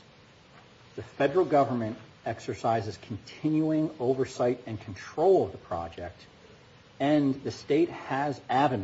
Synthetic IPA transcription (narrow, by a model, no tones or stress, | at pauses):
ðɨfɛdə˞l̩ˠɡʌvə˞mɨ̃nt | ɛksə˞saɪzɨz̥kʰn̩tʰɪ̃njuɪ̃ŋoʊvə˞saɪɾɨ̃nkʰn̩tʰɹ̥oʊlˠʌvðəpʰɹ̥ɑ̰d͡ʒɛ̰k̚t | ɨ̃nðɨsteɪt̚hɨzævɨn